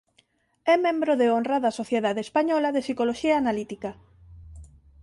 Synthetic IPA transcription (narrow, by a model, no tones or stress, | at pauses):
ɛmẽmbɾoðeonraðɐsoθjeðaðeespaɲɔlaðesikoloʃiaːnalit̪ika